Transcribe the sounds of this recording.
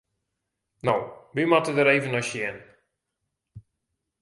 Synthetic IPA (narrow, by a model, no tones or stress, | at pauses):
nowʋimatədəɾejvənɔsjɛn